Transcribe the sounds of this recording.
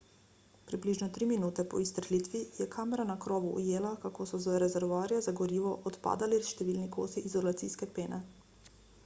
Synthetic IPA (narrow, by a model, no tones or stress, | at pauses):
pɾibliːʒnɔt̪ɾiminuːt̪ɛpɔ̰ist̪ɾlit̪ʋijɛkʰaːmɛɾanakɾɔːʋuʔṵjeːlakakoːsɔzaɾɛzɛɾʋaːɾijazaɡɔɾiːʋɔʔɔt̪pa̰ːd̪aliʃt̪ɛʋiːlnikʰo̰ːst̪iʔizɔlat̪siːskɛpeːnɛ